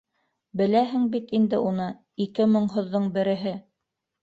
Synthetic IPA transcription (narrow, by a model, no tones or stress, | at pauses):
bɘ̆læɦɘŋbit̪ind̪ɘʔunɤ | ikɘmɤ̆ɴɦŏðːɤɴbɘ̆ɾɘ̆ɦɘ